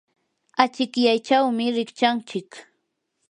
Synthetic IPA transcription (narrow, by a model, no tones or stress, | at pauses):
at͡ʃɪkjajt͡ʃawmɪɾɪkt͡ʃant͡ʃɪk